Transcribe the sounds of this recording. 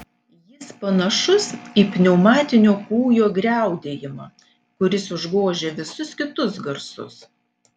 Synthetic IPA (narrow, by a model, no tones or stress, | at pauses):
jɪspɐnɐʃʊsiːpʲnʲɛʊmɑːt̪ʲɪnʲoːkuːjoːɡɾʲæˑʊd̪ʲeːjɪmɑ | kʊɾʲɪsʊʒɡoːʒʲeːʋʲɪsʊskʲɪt̪ʊsɡɐɾsʊ̰s